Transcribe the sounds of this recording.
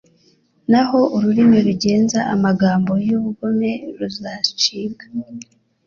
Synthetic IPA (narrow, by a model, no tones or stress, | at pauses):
naɦo̞ʔuɾuɾimiɾuɟe̞ːnzaʔamaɡaːmbo̞juβuɡome̞ɾuzat͡ʃiːɡḁ